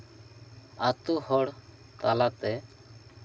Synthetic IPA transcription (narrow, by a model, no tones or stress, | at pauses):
at̪uhɔɽ | t̪alat̪ɛ